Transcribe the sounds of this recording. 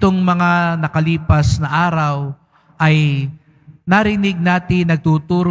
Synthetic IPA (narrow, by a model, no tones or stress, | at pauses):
t̪oŋmɐŋanɐkɐliːpɐsnɐʔaːɾɐw | ʔɐj | naɾɪnɪɡ̚naːt̪ɪnɐɡ̚t̪uːt̪uːɾo